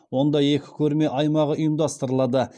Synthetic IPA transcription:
wo̞nd̪ɑje̞kʲɪ̥kʲʰɵɾme̞ʔɑjmɑʁəʔʊjəmd̪ɑst̪əɾəlˠɑd̪ə

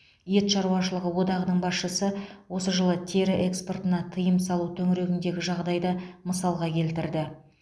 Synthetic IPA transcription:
jet̪ʃɑɾuɑʃəlˠəʁəwo̞d̪ɑʁənəɴbɑsʃəsəwo̞səʒəlˠət̪ʲʰeɾɪʔekspo̞rt̪ənɑt̪ʰəjəmsɑlˠut̪ʰɵŋɾe̞ɡʲɪnd̪e̞ɡʲɪʒɑʁd̪ɑjd̪ɑməsɑlˠʁɑkʲʰe̞lt̪ɪɾd̪ɪ

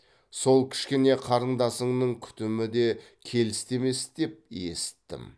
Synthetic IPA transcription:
so̞lˠkʲʰɪ̥ʃkʲe̞ne̞qʰɑɾəɴd̪ɑsəɴnəɴkʲʰʏ̥t̪ɪmɪd̪e̞kʲʰe̞lɪst̪e̞me̞sd̪e̞p̚je̞̰sɪ̥t̪ːɪ̰m

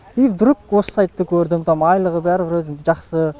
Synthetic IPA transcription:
ivd̪ʊɾuk̚wossɑjt̪ːəkʲʰɵɾd̪ɪmt̪ʰɑmɑjlˠəʁəbæɾbɪɾʒɑχsə

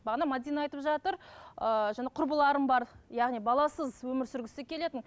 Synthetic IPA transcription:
bɑʁnɑmɑd̪ijnɑɑjt̪əpʒɑt̪əɾəʒɑnɑqʰʊɾbəlˠɑɾəmbɑɾjɑʁnijbɑlˠɑsəzwɵmɪɾsʏɾɡʲɪst̪ekʲʰe̞le̞t̪ɪn

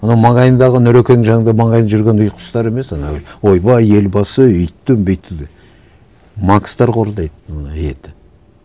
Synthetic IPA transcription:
ɑnɑwmɑɴɑjənd̪ɑʁənɵɾekʲenɪŋʒɑŋənd̪ɑmɑɴɑjnʒʏɾɡʲenʊjqʰʊ̥st̪ɑɾe̞me̞sɑnɑ̰wjwo̞jbɑje̞lbɑsəʏjt̪ːɪmbejt̪ːɪd̪e | mɑkst̪ɑɾqʰo̞ɾd̪ɑjd̪əmonəet̪ɪ̥

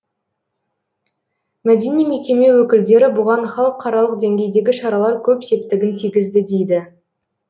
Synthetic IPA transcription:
mæd̪e̞nijme̞kʲe̞me̞wɵkʲɪld̪e̞ɾɪbʊʁɑnχɑlˠəqʰːɑɾɑlˠəqd̪e̞ŋɡʲe̞jd̪e̞ɡʲɪʃɑɾɑlˠɑɾkʲʰɵpse̞p̚t̪ɪɡʲɪnt̪ʰijɡʲɪzd̪ɪd̪e̞jd̪ɪ

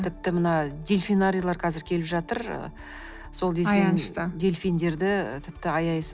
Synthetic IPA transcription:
t̪ʰɪp̚t̪ɪmənɑd̪ʲe̞lʲfijnaɾʲijlˠɑɾqʰɑzɪɾkʲʰe̞lɪpʒɑt̪əɾ̰ | so̞lˠd̪elnʃt̪d̪e̞lʲfijnd̪e̞ɾd̪ɪt̪ʰɪp̚t̪ɪɑjɑjs

